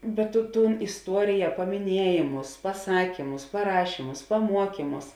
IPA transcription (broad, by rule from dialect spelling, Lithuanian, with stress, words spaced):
bʲɛt tʊ ˈtuːn ɪsˈtuɔrʲɪjɛ pɐmʲɪˈnʲiɛjeːmʊs pɐˈsɑːkʲiːmʊs pɐˈrɑːʃʲiːmʊs pɐˈmuɔkʲiːmʊs